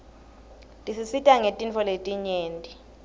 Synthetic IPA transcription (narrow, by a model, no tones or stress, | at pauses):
tʼisisitʼaŋetʼinfʰɔletʼiɲeːntʼi